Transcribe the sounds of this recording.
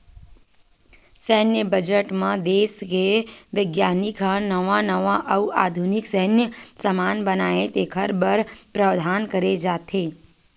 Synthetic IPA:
səɦnjəbəd͡ʒəʈmãd̪eskeʋəɡjanikʰanəʋãnəʋãʔəʋa̰d̪ʱuniksəɦnjəsəmanbənaet̪ekʰəɾbəɾpɾəʋd̪ʱankəɾed͡ʒat̪ʰe

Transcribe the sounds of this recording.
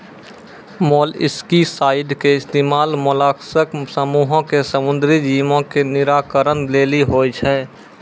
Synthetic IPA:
moːlɪ̰skisaːɪd̪keɪst̪eːmaːlmʊlaːksəksəmuːɦõkesəmʊ̃nd̪ɾid͡ʒiːmõkenɪɾaːkəɾənleːliɦoːit͡ʃʰɛː

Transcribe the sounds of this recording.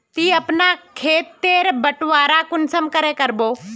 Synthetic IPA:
t̪iːɐpnakʰeːt̪ːeːɾbəʈʋaːɾakʊnsəmkəɾẽkɐɾboː

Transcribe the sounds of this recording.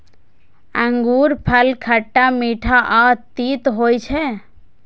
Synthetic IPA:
ə̃ŋɡuːɾpʰəlkʰəʈːamiːʈʰaʔaːt̪iːt̪ɦoːjt͡ʃʰɛ

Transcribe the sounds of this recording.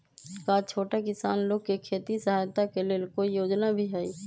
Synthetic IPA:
kat͡ʃʰoːʈakɪsaːnloːɡkekʰeːt̪isəɦaːjt̪akelelkoijoːd͡ʒnabʱiɦɛiː

